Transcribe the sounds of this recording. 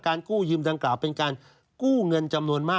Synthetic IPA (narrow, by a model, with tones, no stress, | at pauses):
kaː˧nkuː˥˩jɯː˧mdaː˧ŋklaː˨˩wpe˧nkaː˧n | kuː˥˩ŋɤ˧nt͡ɕa˧mnu˧ənmaː˥˩